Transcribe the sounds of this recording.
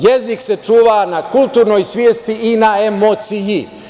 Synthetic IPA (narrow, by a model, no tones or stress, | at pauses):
jezikse̞t͡ʃuːʋanakulˠt̪uːɾnoːjsʋʲjeːst̪iinaemot̪siji